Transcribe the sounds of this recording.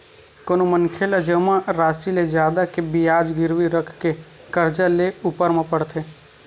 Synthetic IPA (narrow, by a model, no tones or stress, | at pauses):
konomənkʰelad͡ʒəmãɾaːsiled͡ʒjaːd̪akebijaːd͡ʒɡɪɾʋiɾəkʰke | kəɾd͡ʒaleupəɾmãpəɽt̪ʰeː